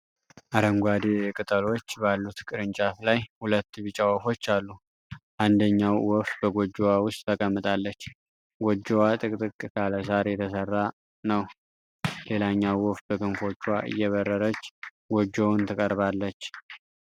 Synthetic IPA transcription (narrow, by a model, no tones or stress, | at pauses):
ʔaɾəŋɡʷad̪ekʼɨt̪ʼəlo̞t͡ʃːbalːut̪kʼɨɾɨnt͡ʃʼat̪lajhulət̪ːbɨt͡ʃʼawɔfo̞t͡ʃːalːu | ʔand̪əɲːawːɔft̪̚bəɡʷod͡ʒowawʊst̪ʼt̪ʰəkʼəmːɨt̪ʼalːət͡ʃː | ɡʷod͡ʒːowat̪ʼɨkʼt̪ʼɨkʼːɨkʰaləs̬aɾjɛt̪ʰəsərːa | nəw | le̞laɲːawːɔft̪̚bəkɨnfo̞t͡ʃːwaʔɨ̰jːɛβərːəɾət͡ʃː | ɡod͡ʒownt̪ʰəkʼəɾβalːət͡ʃː